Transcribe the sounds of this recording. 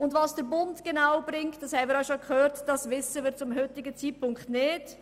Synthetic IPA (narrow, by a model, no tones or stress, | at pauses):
ʊndvɑːsd̥əɾbʊntɡ̥enaʊb̥ɾɪŋtd̥ɑshɛɪmɪːɾœʃokχøːɾtd̥ɑsvɪsəʋɪɾtt͡sʊmɦʏtɪɡət͡siːt̚pʰʊŋkχtnɪd̥